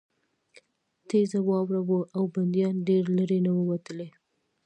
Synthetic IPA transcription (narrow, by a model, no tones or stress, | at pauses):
t̪ezawɑwɾawəʔawband̪ijɑnɖeɾləɾenawəwat̪əle